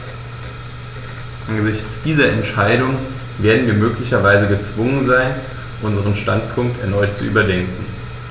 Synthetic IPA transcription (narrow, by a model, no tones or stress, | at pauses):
ʔanɡəzɪçt͡sd̥iːzɐɛntʃaɪdʊŋ | veːɐdn̩viːɐmøːklɪçɐvaɪzəɡət͡sv̥ʊŋənzaɪn | ʔʊnzəʁ̞ənʃtantpʰʊŋk̚tɛɐnɔʏtt͡suʔy̰ːbɐdɛŋkŋ̩